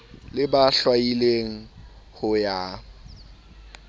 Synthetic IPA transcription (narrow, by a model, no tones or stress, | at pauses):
lɪbaɬwaileŋ̩ | hʊja